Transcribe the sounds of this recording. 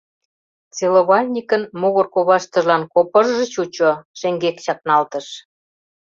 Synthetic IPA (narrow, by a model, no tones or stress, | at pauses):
t͡seloβɑlʲnʲikə̆nmuɣərkoβɑʃt̪ə̆ʒlɑnkopərʒə̆t͡ɕut͡ɕoʃeŋɡekt͡ɕɑk̚nɑlt̪ə̆ʃ